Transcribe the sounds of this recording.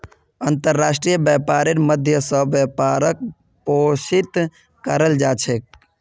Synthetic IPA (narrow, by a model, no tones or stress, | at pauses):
ənt̪əɾːasʈɾijəbjəpaɾeɾməd̪ʱjəsəbjəpaɾək̚ | posit̪ | kəɾəld͡ʒat͡ʃʰɛk̚